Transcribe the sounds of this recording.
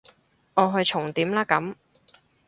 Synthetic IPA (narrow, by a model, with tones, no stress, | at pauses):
ŋɔː˨˧ɦɵ˧ɥt͡ʃʰʊ˨˩ŋt̪iː˨˥mlaː˥kɐ˨˥m